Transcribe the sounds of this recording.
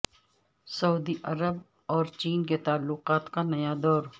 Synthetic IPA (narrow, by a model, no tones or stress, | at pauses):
sɐuːd̪iʔɐɾəb | ɔːɾt͡ʃiːnket̪aːlːʊqaːt̪kanɐjad̪ɔːɾ